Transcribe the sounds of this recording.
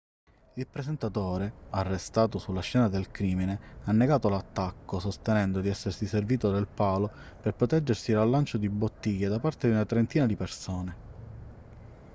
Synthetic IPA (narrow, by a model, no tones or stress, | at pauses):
ilpɾesent̪at̪oːɾearːest̪aːt̪osulːaʃːɛːnad̪elkɾiːmineanːeɡaːt̪olat̪ːakːosost̪enɛnd̪od̪iɛsːersiserviːt̪od̪elpaːlo | perpɾot̪ɛd͡ʒːersiɾalːant͡ʃod̪ibot̪ːijad̪apart̪ed̪iunat̪ɾent̪iːnad̪ipersoːne